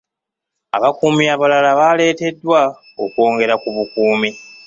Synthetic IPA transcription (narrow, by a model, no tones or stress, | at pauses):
a̰βakuːmiaβalalaβaːle̞ːte̞dːwa | o̞̰kwo̞ːŋɡe̞ɾakuβukuːmi